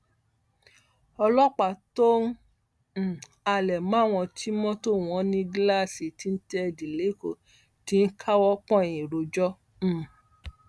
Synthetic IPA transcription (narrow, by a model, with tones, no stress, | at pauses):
ɔ˧lɔ˦k͡pa˨to˦n̩˦˨ | a˧lɛ˨mãː˦w̃ɔ̃˧tʰi˦mɔ̃˦to˦˨w̃ɔ̃˨˦nĩ˧ɡla˦˨si˨ti˨˦n̩˦tɛ˦˧di˨le˨˦ko̰˦˨ | ti˦n̩˦kʰa˦wɔ˦k͡pɔ̃˦˨ĩ˨ɾo˨d͡ʒɔ˦˨